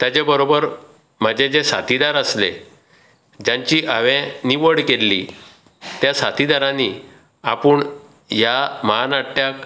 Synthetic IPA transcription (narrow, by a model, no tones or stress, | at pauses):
t̪jad͡ʑebəɾobəɾ | m̤əd͡ʑẽd͡ʑesa̰t̪ʰid̪aɾəslḛ | d͡ʑãɲt͡ɕiːʔaʋɛ̃niʋəɽkelːḭ | t̪jasat̪ʰid̪aɾãni | a̰puɳ | jamanaʈʈjak